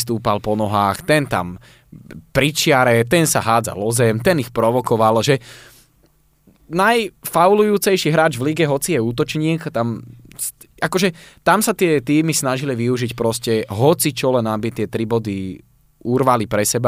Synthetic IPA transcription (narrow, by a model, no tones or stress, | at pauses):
st̪uːpalpɔnɔɦaːxt̪ɛnt̪a̰m | pɾit͡ʃɪaɾɛt̪ɛnsaɦaːd͡za̰lɔzɛmt̪ɛnixpɾɔʋɔkɔʋalʒɛ | najfawlujuːt͡sɛjʃiɦɾaːd͡ʒʋliɡɛɦɔt͡sijɛuːt̪ɔt͡ʃɲiːkt̪ams | akɔʒɛt̪amsat̪ɪɛt̪iːmisnaʒiliʋiuʒicpɾɔscɛɦɔt͡sit͡ʃɔlɛnabit̪ɪɛt̪ɾibɔd̪i | urʋalipɾɛsɛba